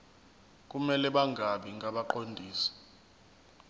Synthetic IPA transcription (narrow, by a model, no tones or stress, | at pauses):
k̬ʼumɛlɛɓaŋʱaɓiŋʱaɓaǃondʱiːsi̥